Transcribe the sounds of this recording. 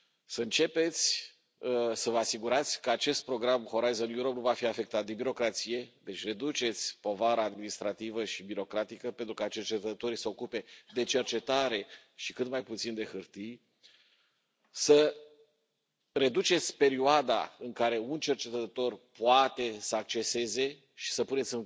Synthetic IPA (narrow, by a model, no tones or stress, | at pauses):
səɨnt͡ʃe̞pe̞t̪sʲ | səvəasiɡuɾat̪sʲkəat͡ʃe̞st̪̚pɾo̞ɡɾamho̞ɾajzonjuɾo̞pnuvafiafe̞k̚t̪at̪̚d̪e̞biɾo̞kɾat̪sije̞d̪e̞t͡ʃʲre̞d̪ut͡ʃe̞t̪sʲpo̞vaɾaːd̪minist̪ɾat̪ivəʃibiɾo̞kɾat̪ikəpent̪ɾukat͡ʃe̞rt͡ʃe̞t̪ət̪o̞ɾisəo̞kupe̞d̪e̞t͡ʃe̞rt͡ʃe̞t̪aɾe̞ | ʃikɨt̪majput̪sind̪e̞xɨrt̪ij | sə | re̞d̪ut͡ʃe̞t̪sʲpe̞ɾioad̪a̰ɨŋkaɾe̞unt͡ʃe̞rt͡ʃe̞t̪əət̪o̞rpuat̪e̞səak̚t͡ʃe̞se̞ze̞ | ʃi̥səpune̞t̪sʲɨn